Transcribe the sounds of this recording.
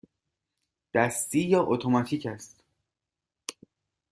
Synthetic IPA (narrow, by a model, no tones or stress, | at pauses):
d̪̥æst̪iːjɒːʔot̪ʰomɒt̪ʰiːcʰæst̪